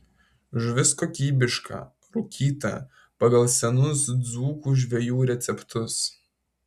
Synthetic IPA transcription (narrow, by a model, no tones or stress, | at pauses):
ʒʋʲɪskoːkʲiːbʲɪʃkʰɐ̰ | ɾʊkʲiːt̪ɐ̰ | pɐɡɐlˠsʲɛnʊsd̪zuːkuːʒʲʋʲɛjuːɾʲɛt̪sʲɛpt̪ʰʊs